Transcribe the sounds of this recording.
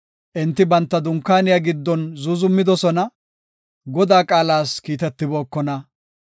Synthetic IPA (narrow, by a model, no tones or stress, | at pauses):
ʔɪnt̪ːɪbɐnt̪ːɐd̪ʊŋkːaːnɪjaɡɪd̪ːɔnzʊzʊmːɪd̪ɔsɔnɐ | ɡɔd̪aːkʼaːlaːskiːt̪ɛt̪ːɪboːkːɔnɐ